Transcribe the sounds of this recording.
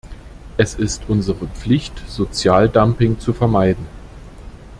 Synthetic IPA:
ʔɛsɪstʔʊnzəʁəp͡flɪçtz̥ot͡sjaːldampɪŋt͡sufɛɐmaɪdn̩

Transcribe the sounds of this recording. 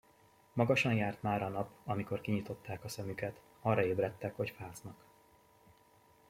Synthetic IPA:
mɒɡɒʃɒnjaːrt̪maːɾɒnɒpɒmiko̞rkiɲit̪o̞t̪ːaːkɒsɛmykɛt̪ | ɒrːɒeːbrɛt̪ːɛkho̞cfaːznɒk

